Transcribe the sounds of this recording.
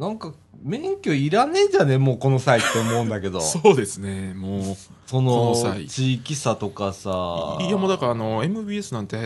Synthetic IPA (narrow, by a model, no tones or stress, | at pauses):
nãŋka | mẽ̞ŋkʲo̞iɾane̞d͡ʑane̞mo̞ːko̞no̞sait̪ːe̞omo̞ɯ̃nd̪ake̞d̪o̞̰soːd̪e̞sɨne̞moː | so̞no̞sait͡ɕiːkʲisat̪o̞kasaiamod̪akaaːno̞e̞mɯ̟biesɨnãnt̪e